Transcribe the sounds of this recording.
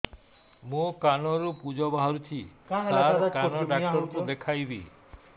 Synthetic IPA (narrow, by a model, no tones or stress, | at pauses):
mũkanɔɾupud͡ʒɔbaɦɔɾut͡ʃʰiaɾkanɔɖakʈɔɾkud̪ekʰajbḭ